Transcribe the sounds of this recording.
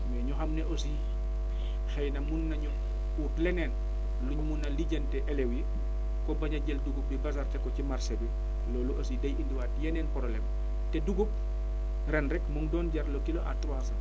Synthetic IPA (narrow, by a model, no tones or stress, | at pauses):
mwɛɲuxɐmnɛʔosi | xɐjnɐmunːɐɲu | uːtlɛnɛn | luɲumunːɐliɟɐntɛʔɛlɛwji | kɔbɐɲɐɟɛlduɡup̚bibas̬artɛkːɔcimaɾsɐbi | lɔːluʔɐsidɐjindiwaːtjɛnɛːnpɔɾɔlɛm | tɛduɡup̚ | rɛnɾɛkmɔŋdɔːnɟɐɾlokilɔʔa̰twasɐ